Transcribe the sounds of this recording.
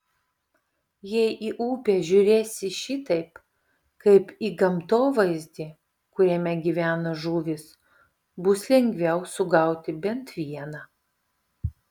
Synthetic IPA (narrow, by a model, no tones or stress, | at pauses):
jɛɪʔiːʔuːpʲeːʒʲʊɾʲeːsʲɪʃʲit̪ɐɪp | kɐɪpiːɡɐmt̪oːʋɐɪzʲd̪ʲi | kʊɾʲɛmʲɛɡʲiʋʲæːnoʒuːʋʲɪs | bʊslʲɛŋʲɡʲʋʲɛʊsʊɡɐˑʊt̪ʲɪbʲɛnt̪ʋʲiɛnɐː